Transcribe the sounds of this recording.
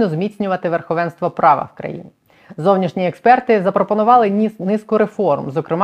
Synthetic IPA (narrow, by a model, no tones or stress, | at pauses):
nɔzmʲitt͡sʲnʲʊʋɐt̪ɪʋerxɔʋɛnst̪ʋɔpɾɑʋɐ̰wkɾɐ̰jḭnʲi | zɔwnʲiʃnʲiekspɛrt̪ɪzɐpɾɔpɔnʊʋɑlˠɪnɪskʊɾe̞fɔrmzɔkɾɪm